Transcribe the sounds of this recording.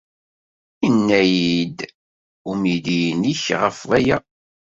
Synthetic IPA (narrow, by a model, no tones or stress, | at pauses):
inːæjid̪ | umid̪iniçʁəfvæjæ